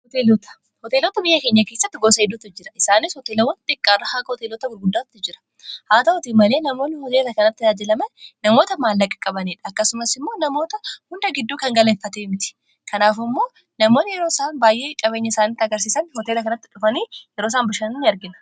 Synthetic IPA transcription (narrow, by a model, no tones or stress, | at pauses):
hɔt̪eːlɔt̪ɐ̥ | hɔt̪e̞ːlɔt̪ɐbɪjːɐkeːɲːɐke̞ːsːɐt̪ːɪɡoːsɐɛd̪ːʊt̪ːɪd͡ʒɪɾɐɪsaːnɪshɔt̪eːlɐwɐnt̪ɪkʼːaːrːɐhaːɡɐhɔt̪eːlɔt̪ɐɡʊɾɡʊd̪ːaːt̪t̪ːɪd͡ʒɪɾɐ̥ | haːt̪ɐʔʊt̪imɐle̞ːnɐmo̞ːnːɪhɔt̪eːlɐkɐnɐt̪ːɪjaːd͡ʒɪlɐmɐnnɐmo̞ːt̪ɐmaːlːɐkʼːɐ̥kʼɐbɐniːᶑɐkːɐsʊmɐsɪmːo̞ːnɐmo̞ːt̪ɐhʊnd̪ɐɡɪd̪ːuːkɐŋɡɐlɐnfɐt̪eːmɪt̪ɪ̥ | kɐnaːfɪmːo̞ː | nɐmo̞ːnːɪjɛɾo̞ːsaːnbaːjʔe̞ːkʼɐbe̞ːɲːɐɪsaːnit̪ːɪɐɡɐɾs̬iːsɐnhɔt̪eːlɐkɐnɐt̪ːɪᶑʊfɐniːjɛɾoːsaːnbɪʃɐnʊnɐɾɡɪnɐ̥